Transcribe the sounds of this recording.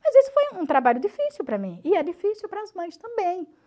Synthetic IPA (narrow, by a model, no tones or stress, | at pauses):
mɐzesɪ̥fojũt̪ɾabaʎʊdifisiwpɾɐmĩɪɛd͡ʒifisiwpɾɐzmɐ̃j̃st̪ɐ̃mbẽj̃